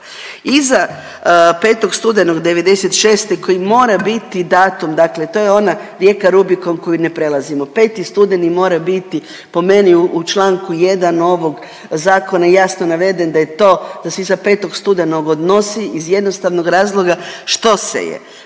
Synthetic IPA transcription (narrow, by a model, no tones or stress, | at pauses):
iza | pe̞ːt̪o̞ɡst̪ud̪enoɡd̪e̞ʋe̞d̪eset̪ʃe̞ːst̪eko̞jimo̞ːɾabit̪id̪aːt̪umd̪akle̞t̪o̞ːjeo̞naɾje̞kaɾubiko̞mko̞jine̞pɾe̞lˠazimo̞pe̞ːt̪ist̪ud̪enimo̞ːɾabit̪i | po̞me̞niuut͡ʃlˠaːŋkuje̞d̪ano̞ʋo̞ɡ | zaːko̞naijaːsnonaʋe̞d̪e̞nd̪ajet̪o̞ːd̪̥aseizapet̪o̞ɡst̪ud̪enoɡod̪no̞siʔizje̞d̪no̞st̪aʋno̞ɡɾaːzlˠo̞ɡaʃt̪o̞sḛjḛ